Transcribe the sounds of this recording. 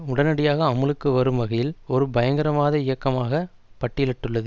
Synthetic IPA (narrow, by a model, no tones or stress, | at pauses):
ʊɽɐnɐɽɪjaːɣɐːmɯlɯkːɯʋɐɾɯmʋɐɣɐjɪlɔɾɯbɐjɐŋɡɐɾɐʋaːðɐɪjɐkːɐmaːɣɐ | pɐʈːɪlɐʈːɯɭːɐðɯ